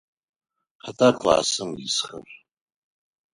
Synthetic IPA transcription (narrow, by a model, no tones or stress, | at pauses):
ħatʼakʼla̰ːsɨmɡisχə̰ɕʷʼ